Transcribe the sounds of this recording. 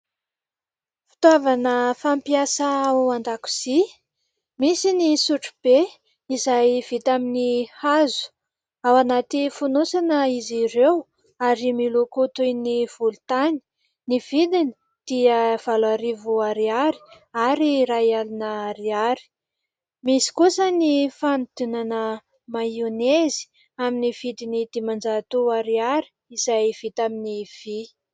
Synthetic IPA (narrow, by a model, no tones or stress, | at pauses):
fi̥t̪wavanəfampiasaaanɖ͡ʐaku̥z̥i | misinisuʈ͡ʂu̥b̥e | izajv̥it̪aminihazu̥ | awanat̪ifunusanəizirew | aɾimilukut̪ujniv̥ulut̪ani̥ | nivid̪ini̥ | d̪̥iəv̥alaɾivuaɾiaɾi̥ | aɾiɾaialinəɾiaɾi̥ | misi̥kusənifant̪unanə | maunezi̥ | aminiv̥id̪inid̪̥imand͡ʒat̪uaɾiaɾi̥ | izajv̥it̪aminiv̥i